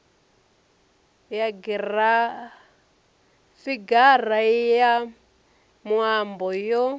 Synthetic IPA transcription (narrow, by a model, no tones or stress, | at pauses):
jaɡira | fiɡaraja | mwambɔjɔ